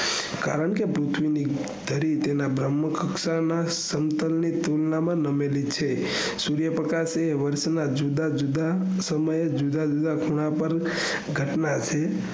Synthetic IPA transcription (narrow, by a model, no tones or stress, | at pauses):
ka̰ɾəɳkepɾut̪ʰʋini | d̪̥ʱəɾit̪enabɾəmːəkəksana | səmt̪əlnit̪ulnamãnəmelit͡ʃʰe | suɾjəpɾəkaseʋəɾʃnad͡ʒud̪ad͡ʒud̪a | səməjed͡ʒud̪ad͡ʒud̪akʰuɽ̃apəɾ | ɡʱəʈnat͡ʃʰe